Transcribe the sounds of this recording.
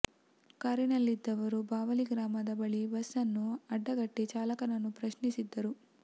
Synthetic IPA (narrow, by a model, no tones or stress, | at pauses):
kaːɾinɐlːid̪ːɐʋɐɾubaːʋɐliɡɾaːmɐd̪ɐbɐɭibɐsɐnːuɐɖːɐɡɐʈːit͡ʃaːlɐkɐnɐnːupɾɐʃnisid̪ːɐɾu